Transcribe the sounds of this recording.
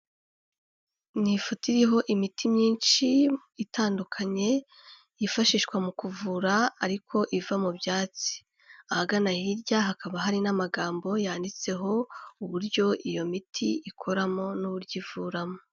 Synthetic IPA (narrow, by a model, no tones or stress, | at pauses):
nifutiɾiɦo̞ʔimitʰimɲiːnʃi | itʰaːndukʰaɲe̞ | jifaʃiːʃkwamukuvuɾaːɾikʰo̞ʔivamubjaːt͡si̥ | ahaɡanahiɾɟaɦakaβaɦaɾinamaɡaːmbo̞jaːndit͡se̞ɦo̞uβuɾɟo̞ʔijo̞mitʰḭikʰo̞ɾamo̞nuβuɾɟivuːɾamo